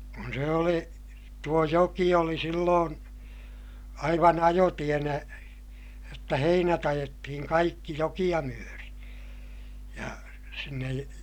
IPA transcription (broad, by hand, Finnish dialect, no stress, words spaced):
kun se oli tuo joki oli silːoːn ɑiʋɑn ɑjotienæ jotːɑ heinæt ɑjetːihiŋ kɑikːi jokij̆ɑ myøri jɑ sinːej